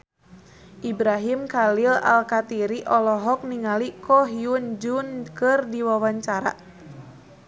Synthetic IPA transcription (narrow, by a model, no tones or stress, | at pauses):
ʔibɾaɦimkalila̰lkat̪iɾiʔɔlɔɦɔk̚niŋalikɔɦiund͡ʒunkɨrdiwawaɲt͡ʃaɾa̰